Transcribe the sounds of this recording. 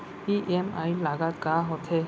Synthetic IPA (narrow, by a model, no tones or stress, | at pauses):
iʔemajlaɡat̪kaɦɔt̪ʰe